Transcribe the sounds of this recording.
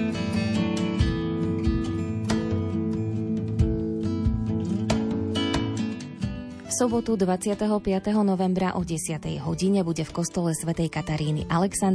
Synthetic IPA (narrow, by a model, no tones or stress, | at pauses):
fsɔbɔt̪ud̪ʋat͡sɪat̪ɛɦɔpɪat̪ɛɦɔnɔʋɛmbɾaʔɔɟɛsɪat̪ɛ̰jɦɔɟiɲɛbuɟɛfkɔst̪ɔlɛsʋɛt̪ɛjkat̪aɾiːnḭʔalɛksan